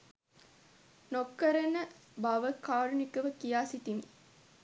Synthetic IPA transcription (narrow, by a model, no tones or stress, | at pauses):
nokːɐɾənəbɐʋəkaːɾunikɐʋəkijaːsit̪imi